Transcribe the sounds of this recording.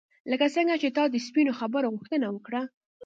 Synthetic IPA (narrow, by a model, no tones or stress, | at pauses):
ləkat͡səŋɡat͡ʃet̪ɑd̪əspinoxabəɾoɣuxt̪ənawəkɽa